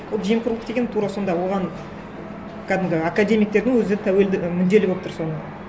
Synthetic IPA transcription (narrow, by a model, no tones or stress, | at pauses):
wolˠʒijmqʰʊɾlˠəqt̪e̞ɡʲent̪ʰuɾɑso̞nd̪ɑwo̞ʁɑn | kʰæd̪ɪmɡʲɪakad̪ʲe̞mʲijk̚t̪e̞ɾd̪ɪŋwɵzet̪ʰæwe̞ld̪ɪmʏnd̪e̞lɪkbopt̪ʊɾso̞nə